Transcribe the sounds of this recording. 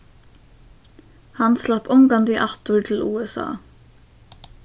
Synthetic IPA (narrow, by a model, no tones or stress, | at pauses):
hɑnslɑpʊŋɡɑnd̪iːʔɑt̪uːɹʈʰl̩ṵːɛsɑ̰ː